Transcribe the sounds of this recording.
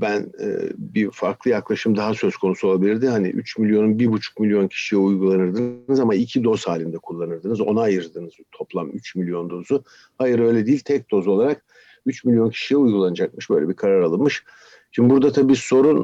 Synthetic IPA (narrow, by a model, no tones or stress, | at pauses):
bænɛ̰bifaɾklˠɯjaklˠaʃɯmd̪aɦasø̞zkʰo̞nusuo̞lˠabilʲiɾd̪ɪhanḭʔy̰t͡ʃmilʲjo̞nunbiɾbut͡ʃʰu̥k̚milʲjo̞ncʰi̥ʃijɛujɡulˠanɯɾd̪ɯnnɯzamaicʰid̪o̞z̥haːlʲind̪ɛkʰulˠːanɯɾd̪ɯnɯzo̞̰naːjɯɾd̪ɯnɯzt̪ʰo̞plˠamyt͡ʃmilʲjo̞nd̪o̞zu | hajɯɾø̞jlʲɛd̪ijːlʲt̪ʰɛc̚d̪o̞zo̞lˠaɾak | yt͡ʃmilʲjo̞ncʰi̥ʃijɛujɡulˠanɯd͡ʒak̚mɯʃbøjlʲɛbikʰaɾaɾalˠɯnmɯʃ | ʃʰimbuɾd̪at̪ʰabiːso̞ɾun